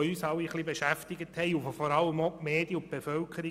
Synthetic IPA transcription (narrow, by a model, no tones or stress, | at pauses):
yːsɑliχlibeʃæftɪɡəthɛɪufofɔɾɑlːəmomeːd̥jəʊt̚b̥efœlkʰəɾi